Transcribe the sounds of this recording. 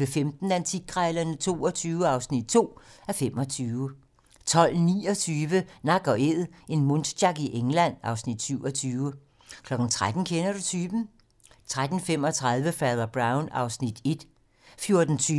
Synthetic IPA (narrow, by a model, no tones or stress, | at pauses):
ʋefemd̥n̩ænt͡sʰi̥ɡ̥ʰʁɑɪlɐnət͡sʰo̝̰ːɒt͡sʰyːʊəɑ̈ʊsnid̥̚t͡sʰo̝̰ːæfem̰ɒ̽t͡sʰyːʊə | t͡sʰɒ̽l̰niːɒ̽t͡sʰyːʋənɑ̈ɡ̥ɒ̽ʔe̝ð̰ˠe̝nmɔnd̥dɑ̈ɡ̥iʔeŋlæn̰ɑ̈ʊsnid̥syʊɒt͡sʰyːʊə | kʰlɒ̽ɡ̥n̩t͡sʰʁad̥n̩kʰenɐɾut͡sʰyːb̥n̩ | t͡sʰʁad̥n̩fem̰ɒ̽t͡sʰʁað̞ˠʋəfæðˠɐb̥ʁɑ̈ʊnɑ̈ʊsnid̥e̝d̥ | fjo̝ɐd̥n̩t͡sʰyː